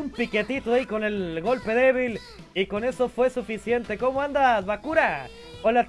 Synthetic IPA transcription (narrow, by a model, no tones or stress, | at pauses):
umpike̞t̪it̪oaiko̞ne̞lɣo̞lpe̞ðe̞βil | iko̞ne̞so̞fwe̞sufisje̞nt̪e̞ko̞moand̪azβakuɾa | ola